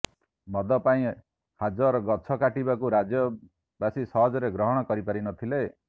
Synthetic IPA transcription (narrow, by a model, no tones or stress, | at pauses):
mʱʌd̪ʌpaĩ | had͡zʌɾɡʌtt͡sʰʌkaʈibakoɾad͡zjʌ | basisʌɦʌd͡zʌɾeɡɾʌɦʌɽ̃ʌkʌɾipaɾinʌt̪ʰile